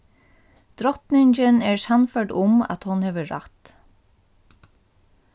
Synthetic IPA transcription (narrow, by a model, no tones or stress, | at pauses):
d̪̥ɾɔt̪nɪɲt͡ʃɪnɛɹsanfœɖʊma̰t̪hʊnhɛːʋəɹa̰t̪